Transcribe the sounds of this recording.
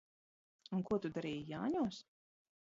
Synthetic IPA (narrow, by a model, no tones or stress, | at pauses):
unkuɔt̪ud̪aɾiːjjaːɲuɔs